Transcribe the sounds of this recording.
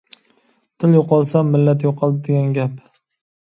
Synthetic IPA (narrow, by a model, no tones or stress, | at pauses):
t̪ʰɪljoqɒlˠsamːɪlːat̪joqʰɒl̚ˠd̪eɡʲanɡʲap